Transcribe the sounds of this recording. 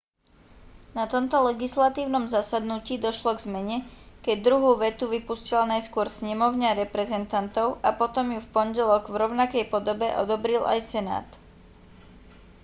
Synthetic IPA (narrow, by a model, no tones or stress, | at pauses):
nat̪ɔmt̪ɔlɛɡislat̪iːʊnɔmzasad̪nuciːd̪ɔʃlɔɡzmɛɲɛkɛɟ̚d̪ɾuɦuːʋɛt̪uʋipuscilnajskʊɔɾsɲɛmɔʊɲaɾɛpɾɛzɛnt̪ant̪ɔʊʔapɔt̪ɔmjufpɔɲɟɛlɔɡvɾɔʊnakɛjpɔd̪ɔbɛʔɔ̰d̪ɔbɾilʔa̰jsɛna̰ːt̪